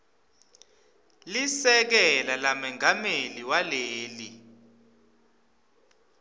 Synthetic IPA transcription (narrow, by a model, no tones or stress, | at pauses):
lisɛk̬ɛlalamɛŋameliwaleːli